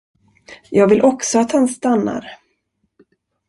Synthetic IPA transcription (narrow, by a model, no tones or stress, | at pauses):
jɑːɡvɪlʔɔksɔat̪hanst̪anːa̰ɾ